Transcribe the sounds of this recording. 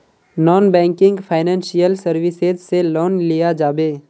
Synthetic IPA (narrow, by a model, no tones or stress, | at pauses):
nɔːnbɛ̃ːŋkɪ̃ŋɡpʰaːɪnɛ̃ːnsijəlsəɾʋɪsezselɔːnlijad͡ʒaːbeː